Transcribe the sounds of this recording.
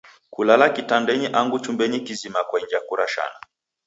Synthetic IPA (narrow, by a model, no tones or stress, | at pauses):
kulalakitandɛɲiʔaŋɡut͡ʃumbɛɲikizimakwaiɲd͡ʒakuɾaʃa̰na